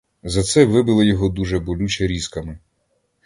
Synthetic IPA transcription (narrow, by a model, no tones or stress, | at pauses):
zɐt̪sɛʋɪbɪlˠɐjɔɦɔd̪uʒɛbɔlʲut͡ʃɛɾʲiskɐmɪ